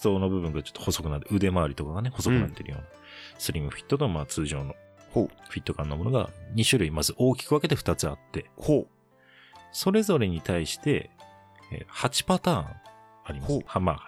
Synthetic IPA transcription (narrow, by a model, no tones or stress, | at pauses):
so̞ːno̞bɯ̟bɯ̟̃ŋɡat͡ɕot̪ːoho̞so̞kɯnat̪ːɯ̟d̪e̞maːɾʲit̪o̞kaɡane̞ho̞sokɯ̟nat̪ːeɾɯjo̞̰ːna | sɨɾʲimɯ̟ɸʲi̥t̪ːo̞t̪omaːt͡sɨːʑo̞ːno | ɸʲit̪ːo̞kãnːomo̞no̞ɡa̰ɲ̟iɕɨɾɯ̟imazɨʔo̞ːkʲi̥kɯ̟ake̞d̪eɸɯ̟̥t̪at͡sɨat̪ːe̞ | so̞ɾe̞zo̞ɾe̞ɲ̟it̪ʰaiɕi̥t̪e̞̰ | ḛhat͡ɕi̥pat̪ãː | aɾʲimashmaː